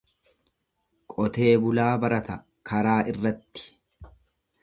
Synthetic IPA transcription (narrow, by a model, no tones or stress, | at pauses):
kʼɔt̪e̞ːbʊlaːbɐɾɐt̪ɐ | kʰɐɾaːʔɪrːɐt̪ːɪ̥